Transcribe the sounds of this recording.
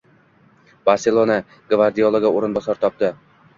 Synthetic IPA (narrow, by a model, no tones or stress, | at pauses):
baɾselˠona | ɡvaɾd̪iolˠoɡaoɾɨnbɒsɒɾt̪ʰɒp̚t̪ɪ